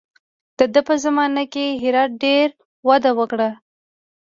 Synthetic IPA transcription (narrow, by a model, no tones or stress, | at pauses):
d̪̥əd̪əpəzamɑnakeɦɪɾɑt̪̚ɖeɾ | wad̪awəkɽa